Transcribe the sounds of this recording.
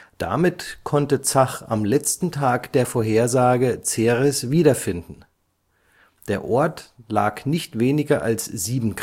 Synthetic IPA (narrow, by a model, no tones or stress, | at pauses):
d̥a̰mɪtkʰɔntət͡saχa̰mlɛt͡stn̩tʰaːkd̥eːɐfoːɐɦeːɐzaːɡət͡seːʁɛsv̥iːɾɐfɪndn̩ | d̥eːɐʔɔɐtla̰ːknɪçtv̥eːnɪɡɐʔa̰lsz̥iːbm̩ɡ